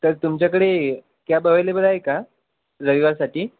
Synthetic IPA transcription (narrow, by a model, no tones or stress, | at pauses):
t̪əɾt̪umt͡ɕjakəɽe | kjabʱəʋəjlebəɾaɦeka | ɾəʋiʋaɾsaʈiː